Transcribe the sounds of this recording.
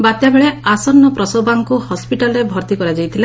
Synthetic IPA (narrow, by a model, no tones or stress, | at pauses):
bat̪jabeɭeasɔɾnɔpɾɔsɔbaŋkuhɔspiʈalɔɾebʱɔɾt̪ikɔɾad͡ʒajt̪ʰila